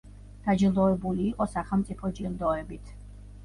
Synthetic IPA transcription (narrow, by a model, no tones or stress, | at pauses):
d̪̥ad͡ʒilˠd̪ɔɛbuliːqʼɔsaχɛlˠmt̪sʼipʰɔd͡ʒiɾd̪ɔɛbit̪ʰ